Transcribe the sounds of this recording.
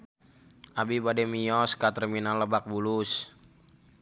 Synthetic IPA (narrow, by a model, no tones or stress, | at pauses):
ʔabibadɛmiɔskat̪ərminaləbak̚bulus